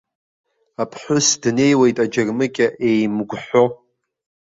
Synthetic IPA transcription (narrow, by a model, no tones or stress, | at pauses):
apʰħʷʊsdne̞jwejtʼad͡ʒarmɨkʲʼaʔejmɡʷħʷo